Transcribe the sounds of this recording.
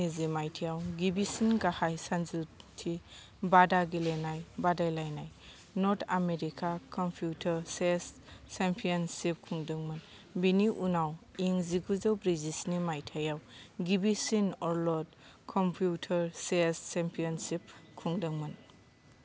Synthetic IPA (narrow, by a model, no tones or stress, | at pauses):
izimajtʰijawɡibisinɡahajsanzutʰi | badaɡilenajbadajlajnaj | nɔɾtʰameɾikʰakɔmpʰjutʰɐɾsesːempʰijɔnsip̚kʰuŋdɯŋmɯn | biniʔunawiŋziɡuzɯwbɾizisnimajtʰajawɡibisinɔɾlɔd̚ | kʰɔmpʰjutʰɐɾsest͡ʃempʰijɔnsip̚kʰuŋdɯŋmɯn